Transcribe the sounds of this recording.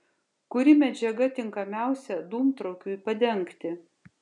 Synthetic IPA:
kʊɾʲɪmʲɛd͡ʒʲɛɡɐt̪ʲɪŋkɐmʲæˑʊsʲɛd̪uːmt̪ɾɐʊkʲuːɪpɐd̪ʲɛŋˑkt̪ʲɪ

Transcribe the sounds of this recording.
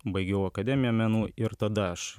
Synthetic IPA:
bɐɪɡʲɛʊɐkɐd̪ʲɛmʲɪjɛmʲɛnuːɪɾt̪ɐd̪ɐɐʃ

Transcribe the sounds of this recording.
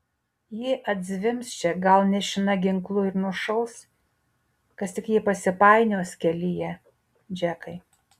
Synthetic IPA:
jɪʔɐd̪ʲzʲʋʲɪmst͡ʃʲɛɡɐlˠnʲɛʃʲɪnɐɡʲɪŋklˠʊɪɾnʊʃɐʊs | kɐst̪ʲɪkjiːpɐsʲɪpɑˑɪnʲoːsʲkʲɛlʲɪjɛ | d͡ʒʲækɐɪ

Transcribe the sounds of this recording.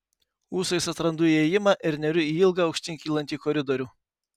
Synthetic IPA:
uːsɐɪsɐt̪ɾɐnd̪ʊiɛjɪmɑːʔɪɾnʲɛɾʲʊiːɪlˠɡɑɒʊkʃʲt̪ʲɪŋʲkʲiːlˠɐnʲt̪ʲiːkɔɾʲɪd̪ɔɾʲuː

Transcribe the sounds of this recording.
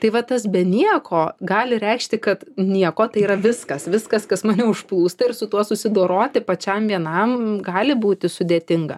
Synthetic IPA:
t̪ɐɪʋɐt̪ɐsbʲɛnʲiɛkʰoːɡɑːlʲɪɾʲɛɪkʃʲt̪ʲɪkɐt̪nʲiɛkoːt̪ɐɪiːɾɐʋʲɪskɐsʋʲɪskɐskɐsmɑːnʲɛʊʃplˠuːst̪ɐɪɾsʊt̪uɔsʊsʲɪd̪oːɾoːt̪ʲɪpɐt͡ʃʲɛmʋʲiɛnɐmɡɑːlʲɪbuːt̪ʲɪsʊd̪ʲeːt̪ʲɪŋɡɐ̰

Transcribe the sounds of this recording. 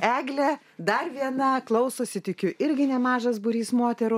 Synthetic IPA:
æːɡlʲɛ | d̪ɐrʋʲiɛnɐklˠɐʊsoːsʲɪt̪ʲɪkʲʊʔɪɾʲɡʲɪnʲɛmɑːʒɐs̬bʊɾʲiːsmoːt̪ʲɛɾʊ

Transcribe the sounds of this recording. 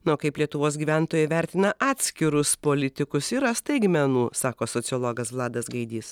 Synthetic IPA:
nʊoːkɐɪplʲiɛt̪ʊʋoːsɡʲiːʋʲæˑnt̪oːjɛʋʲæˑɾʲt̪ʲɪnɐʔɑːt̪ʲsʲkʲɪɾʊspoːlʲɪt̪ʲɪkʊsɪɾɐst̪ɐɪɡmʲɛnuːsɑːkoːsoːt̪sʲɪoːlˠoːɡɐsʋlˠɑːd̪ɐsɡɐɪd̪ʲiːs

